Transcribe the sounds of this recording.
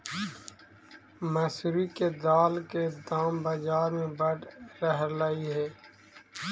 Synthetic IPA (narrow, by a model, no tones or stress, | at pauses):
mɐsɾiked̪aːlked̪aːmbɐd͡ʒaːɾmẽbɐɽɾəɦlaiɦɛː